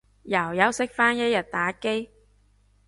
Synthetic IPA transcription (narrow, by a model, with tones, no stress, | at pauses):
jɐ˨˩wjɐ˨˥wsɪ˥k̚faː˥njɐ˥t̚jɐ˨˩t̚t̪aː˨˥ke˥j